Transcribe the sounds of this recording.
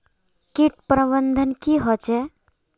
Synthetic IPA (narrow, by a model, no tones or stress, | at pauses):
kiʈ̚pɾəbənd̪ʱənkiɦɔt͡ʃɛ